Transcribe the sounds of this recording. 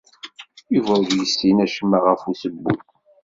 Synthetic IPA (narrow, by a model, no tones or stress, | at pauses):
uvæwðjəsːinæʃəmːaʁəfusəbːṵθ